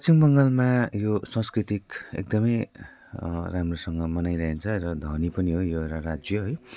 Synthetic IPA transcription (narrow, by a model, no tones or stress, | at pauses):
pʌt͡simbʌŋɡʌlmajosʌ̃skrit̪ikḛk̚d̪ʌmʌj | ramrosʌŋɡʌmʌnajɾʌɦent͡sʰʌɾʌd̪ʱʌnipʌniɦojoeɾarad͡zjʌɦʌj